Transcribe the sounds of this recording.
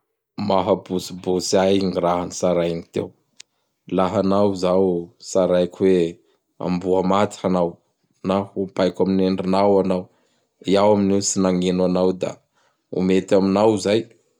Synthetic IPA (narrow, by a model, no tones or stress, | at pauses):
maɦabusibusiajiŋiɾaɦanisaɾajnit̪ḛw | laɦanawzawsaɾajkʰwe | a̰mbuamat̪i̥anaw | nahupajkamineɳɖ͡ʐinawanaw | iawaminewsinaŋenwanawd̪a̰ | ṵmet̪aminawzaj